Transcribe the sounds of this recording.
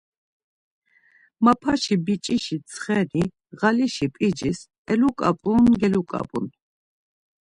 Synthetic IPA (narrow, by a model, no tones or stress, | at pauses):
mapʰaʃibit͡ʃʼiʃit̪t͡sʰʼχɛni | ʁaliʃipʼid͡ʒis | ɛlukʼa̰pʼunɡɛlukʼa̰pʼun